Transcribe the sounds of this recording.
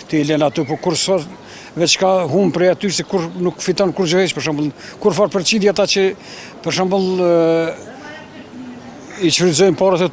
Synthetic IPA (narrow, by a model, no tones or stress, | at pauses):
t̪ilɛnat̪ypɔkuɾsaɾ | vɛt͡ʃkaɦumpɾɛat̪ysɛkuɾnukːfit̪ɔnkuɾd͡ʑəhɛʃpəɾʃambəlˠkuɾfaɾpəɾt͡ʃid̪jiat̪at͡ʃə | pəɾʃambəlˠ | iʃfɾizɔjmpaɾat̪ɛ